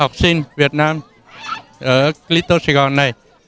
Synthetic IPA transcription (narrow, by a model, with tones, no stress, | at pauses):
ha˨˩wk͡p̚si˧nvi˨˩ət̚naː˧m | ʔəː˧˩kli˨˦˥t̪o˧se˧ɣɔ˧˩nːa˨˩j